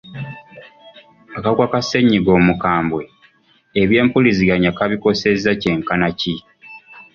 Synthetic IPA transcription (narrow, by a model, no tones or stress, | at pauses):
akaɡwakase̞ɲːiɡo̞ːmukaːmbwe | eβje̞ːmpuliziɡaɲakaβiko̞se̞zace̞ŋkanaci